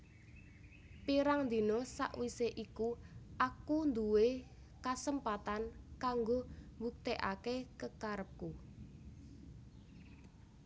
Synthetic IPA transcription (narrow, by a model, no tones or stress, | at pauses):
piɾaŋnd̪i̤nɔsa̰ʔwiseʔikuʔakund̪uwe | kasəmpat̪ankaŋɡombuk̚t̪eʔa̰kekəkaɾəp̚ku